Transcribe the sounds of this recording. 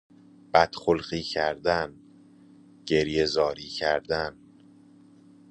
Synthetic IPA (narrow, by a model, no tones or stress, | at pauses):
b̥æd̪̥xolɣiːcʰæɾd̪æn | ɟ̥e̞ɾje̞zɒːɾiːcʰæɾd̪æn